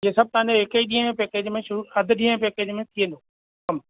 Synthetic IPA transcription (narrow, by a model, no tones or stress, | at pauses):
iesɐb̚t̪ɐãɲd͡ʑeɦɪkeiɗĩːə̃ẽpeːkeːd͡ʑmẽʃʊɾuːɐd̪ʱɗĩːɦə̃peːkeːd͡ʒmẽt̪ʰiẽːnd̪o | kɐm